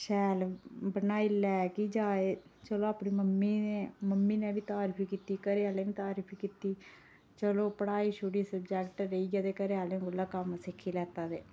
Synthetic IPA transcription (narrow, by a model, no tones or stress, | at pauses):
ʃɛːlbənaːilɛːkiːd͡ʒaːeːt͡ʃəlõːaːpniːməmːiːneːməmːiːnẽːbiːt̪aːɾiːpʰikiːt̪iːkəɾeːaːleːʋĩːt̪aːɾiːpʰikiːt̪iː | t͡ʃəlõːpəɽaːiːʃʰʊɽiːsəbd͡ʒɛːkʈɾəiːɡaːd̪eːkəɾeːaːlẽːɡʊlːaːkəmsɪkʰːiːlɛːt̪aːd̪eː